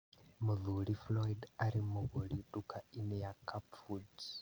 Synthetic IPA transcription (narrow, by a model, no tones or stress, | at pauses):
muðuɾiflɔidaɾimuβoliɗukainejakapfud